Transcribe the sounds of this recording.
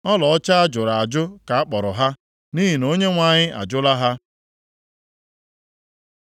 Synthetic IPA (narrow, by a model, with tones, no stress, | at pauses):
ɔ˦lɔ˨ɔ˦t͡ʃa˦a˦d͡ʒʊ˨ɾa˨a˨d͡ʒʊ˦ka˨a˦k͡pɔ˨ɾʊ˨ɦa˦ | ni˦ɦi˨no˦ɲe˦ŋʷa˨ɲɪ˦ʔa̰˨d͡ʒʊ˦la˦ɦa˦